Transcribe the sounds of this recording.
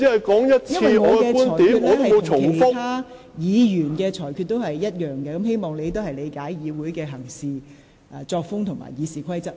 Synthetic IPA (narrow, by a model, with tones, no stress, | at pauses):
i˨˥hɐ˨˩jkɔː˨˥ŋjɐ˥t̚t͡sjɐ˥nʰiwɐ˨˧˨ɔ˨˧ɐ˧kɛː˧kuː˥nɔː˨k̪iː˨˥y˧t̪̚ːt̪o˥˨mo˨˧wt͡ʃʰʊ˨˩keŋ˨˩fʊ˥kt̪ʰaː˥ | jiː˨˧jyː˨˩nkɛː˧t͡ʃʰɔː˨˩jkʰyː˧t̚t̪ːo˥whɐ˨jːɐ˥t̚jœː˨ŋkɛ˧kɐ˨˦mhe˥jmɔː˨ŋle˨˧jt̪o˥whɐ˨jle˨˧jkaː˨˥jjiː˨˧wuː˨˥jkɛː˧ɦɐ˨˩ŋsiː˨˧ | ʔɐː˧˩t͡sɔː˧k̚fʊ˥ŋt̪ʰʊ˨˩ŋma̰ː˨˩jjiː˨˧siː˨kʰɐ˥jt͡sɐ˥p̚